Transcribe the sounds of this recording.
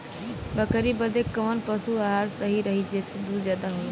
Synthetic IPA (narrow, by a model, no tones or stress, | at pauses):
bɐkəɾibəd̪ekːɐʋənpɐsuaɦaːɾsɐɦiɾɐɦid͡ʑeːsɪd̪uzaːd̪aɦo